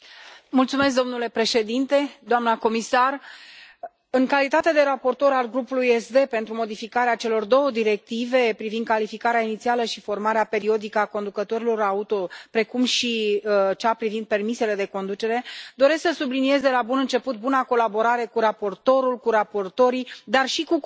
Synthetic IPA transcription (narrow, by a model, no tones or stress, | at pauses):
mult̪sume̞s̬k̚d̪o̞mnule̞pɾe̞ʃe̞d̪int̪e̞d̪oamnəko̞misar | ɨŋkalit̪at̪e̞d̪e̞ɾapo̞rt̪o̞ɾalɡɾupulujesd̪e̞pe̞nt̪ɾumo̞d̪ifikaɾeat͡ʃe̞lo̞rd̪o̞wəd̪iɾe̞k̚t̪ive̞pɾivind̪̚kalifikaɾeainit̪sialəʃifo̞rmaɾeape̞ɾio̞d̪ikəako̞nd̪ukət̪o̞ɾilo̞ɾaut̪o̞pɾe̞kumʃit͡ʃapɾivind̪̚pe̞rmise̞le̞d̪e̞ko̞nd̪ut͡ʃe̞ɾe̞d̪o̞ɾe̞sksəsublinije̞zd̪e̞labunɨnt͡ʃe̞put̪̚bunako̞labo̞ɾaɾe̞kuɾapo̞rt̪o̞ɾulkuɾapo̞rt̪o̞ɾid̪arʃiku